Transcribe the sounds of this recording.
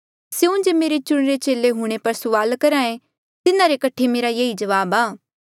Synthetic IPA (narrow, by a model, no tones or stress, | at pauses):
seʊ̃d͡ʒemeːɾet͡ʃʊɽ̃ɾet͡ʃeːleɦuɽ̃epɐɾsʊʋaːlkɐɾãːẽ | t̪ɪnãɾekɐʈʰemeːɾajeːid͡ʒɐʋaːbaː